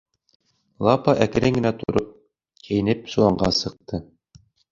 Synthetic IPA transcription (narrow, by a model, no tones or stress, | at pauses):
lˠɑpɑʔækɘ̆ɾɘŋɡɘ̆næt̪ŏ̰ɾop̚ | kʰæ̆jɘ̆nɘpsŭwɑɴɢɑsɤ̆q̚t̪ʰɤ